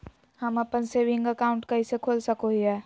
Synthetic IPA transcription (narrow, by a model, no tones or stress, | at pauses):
hɐmɐpənseʋɪ̃ŋɡɐkaːʊ̃ɳʈkɐɦisekʰoːlsɐkoɦiɛː